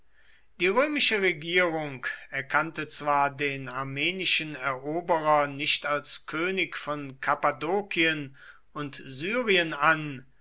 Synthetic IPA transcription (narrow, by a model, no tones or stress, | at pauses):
d̥iːʁøːmɪʃəʁeɡiːʁʊŋkɛɐkʰantət͡sv̥aːɐdeːnaɐmeːnɪʃənɛɐʔoːbəʁɐnɪçtalskʰøːnɪkfɔnkʰapadoːkʰiən | ʊntzyːʁiənan